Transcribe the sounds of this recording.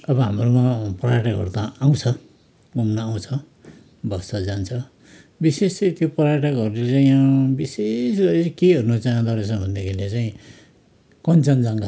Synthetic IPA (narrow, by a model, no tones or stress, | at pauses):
ʌbʌɦamrumapʌraʈakʌ̰rt̪aaw̃t͡sʰʌ | ɡumnʌaw̃t͡sʰʌ | bʌsʌd͡zant͡sʰʌ | bisest̪jopʌɾaʈakʌɾulet͡saĩãbisesɡʌɾekeʌrunʌt͡saʌ̃d̪ʱʌɾesʌ̃bʱʌnd̪ikʰelet͡saĩ | kʌnt͡sʌnd͡zaŋɡa